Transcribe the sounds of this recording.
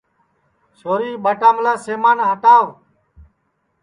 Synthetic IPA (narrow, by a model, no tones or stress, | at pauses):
ʃoːɾiːɓəʈaːmlaːseːmaːnɦəʈaːʋ